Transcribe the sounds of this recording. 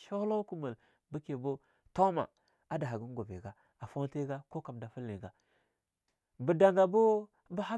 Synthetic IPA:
ʃa˦la˦ku˦mə˨l | bə˦ke˨bo˦ | ta˦ma̰˨ | a˦da˨a˨ɡu˦n˦ɡo˨vḛ˨ɡa˦ | a˨fo˦nte˦ɡa˦ko˦ka˨mda˨fu˦lːi˨ɡa˨ | bə˨da˨ŋɡa˨bo˦ | ba˦ha˦

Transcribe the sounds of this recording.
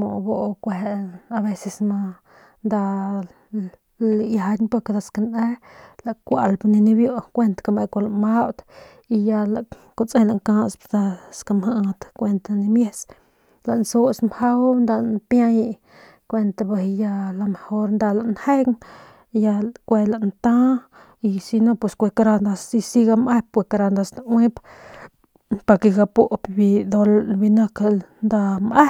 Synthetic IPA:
mo̰˨bo˧ʔkʷe˨a˧be˧se˧sma˧ | nd̪a˧ | lja˧d̪ʲnpo˧ka˧d̪a˧ska˧ne˦la˨kʷa˨lpni˧ni˧bjo˧˨kʷe˧nt̪ḁ˧ka˧me˧kʷa˧la˨ma˦wt̪ | i˧ja˧la˨ | ko˧t͡sẽ˦la˧˨ŋkã˦spd̪a˧ska˧mha˧ʔt̪kʷe˧nt̪a˧ni˧mje˧s | la˨ʔnso˦smha˦wnd̪a˧npja˦ji˧ | kʷe˧nt̪a˧ba˧ja˧la˧me˨ho˧ɾnd̪a˧la˨ʔnhe˦ŋ | ja˧kʷe˧la˨ʔnt̪ã˦ | i˧si˧no˧pwe˧skʷe˧ka˧ɾa˧nd̪a˧si˧si˧ɡa˧mʔe˦p̚pwe˧˨ka˧ɾa˧nd̪a˧sna˧wĩ˦p | pa˨ke˧ɡa˧po˦ʔpbi˧d̪o˧lbi˧na˦kand̪a˧mʔe˦

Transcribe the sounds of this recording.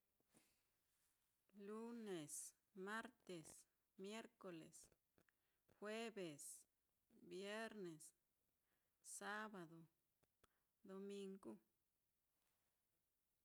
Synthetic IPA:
lu˦ne˨s | ma˦ɾt̪e˨s | mje˦ɾko˨lḛ˨s | xwe˦be˨s | bje˦ɾne˨s | a˦ba˨d̪o˨ | d̪o˧mi˧ŋɡu˦

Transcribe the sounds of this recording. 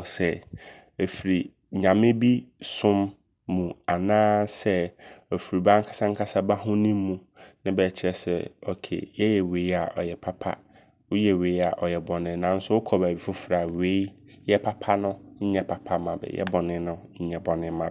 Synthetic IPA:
sɛ˨ | e˨fi˨ɾi˨ | ɲã˨mɪ̃˦bi˦sʊ̃˦mː | ũ˨a˨nãː˦sɛ˦ɔ˨fi˨ɾi˨bã˦ŋ̩˦kʰḁ˨˦sã˦ŋ̩˦kʰa˦sa˦ba˦ɦʊ̃˦nĩ˦mː˦ũ˦ | nɪ̃˦bɛ˨t͡ɕʰɪ˦ɾɛ˨sɛ̰˨ɔ˨kʰḛ˨jɛ˦jɛ˨we˨i˦a˨ʔɔ˨jɛ˨pʰa˦pʰa̰˦ | wʊ˦jɛ˨we˨˦i˦a˨ʔɔ˨jɛ˨bɔ˨nɪ̃˨˦nã˨˦n̩˦sʊ˦wʊ˦kʰɔ˨bæ˨i˨fʊ˦fɾa˨we˦i˦ | jɛ˦pʰa˦pʰa˦nʊ̃˦ɲ̩˦ɲɛ̃˦pʰa˨pʰa˦mã˨bɛ̰˨jɛ̰˦bɔ˨nɪ̃˦nʊ̃˦ɲ̩˦ɲɛ̃˨bɔ˨nɪ̃˦mã˨b

